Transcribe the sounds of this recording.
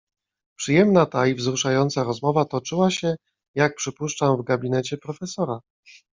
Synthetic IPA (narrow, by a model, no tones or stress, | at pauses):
pʂɘjɛmnat̪aivzɾuʂajɔnt̪saɾɔzmɔvat̪ɔt͡ʂɘwaɕɛ | jak̚pʂɘpuʂt͡ʂamvɡabʲinɛt͡ɕɛpɾɔfɛsɔɾa